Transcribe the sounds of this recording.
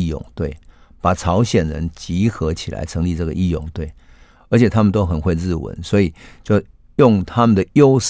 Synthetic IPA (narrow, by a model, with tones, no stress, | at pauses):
jʊ̰˨˩ŋt̪we˥˩ɪ | pa˨˩ʈ͡ʂʰɑ˧˦˥ʊɕjɛ˨˩nɻə˧˦nt͡ɕi˧˥xɤ˧˦t͡ɕʰi˨˩la̰˧˦ɪt͡sʰə˧˥ŋli˥˧ʈ͡ʂɤ˥˩ɡə˨ʔi˥˧jʊ̰˨˩ŋt̪we˥˩ɪ | ə˧˦˥t͡ɕʰjɛ˨˩t̪ʰa˥mə˨nt̪o˥ʊxə˨˩nxwe˥˧ɪɻɹ̩˥˩wə̰˧˦nswɔ˧˥i˨˩t͡ɕjo˥˧ʊ | jʊ˥˩ŋt̪ʰa˥mə˨nd̪ə˨˩jo˦˥ʊʂ